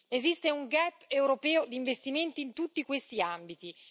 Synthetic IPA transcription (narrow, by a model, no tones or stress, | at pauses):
ezist̪euŋɡɛpːewɾopɛːod̪iɱvest̪iment̪iːnt̪ut̪ːikwest̪iambit̪i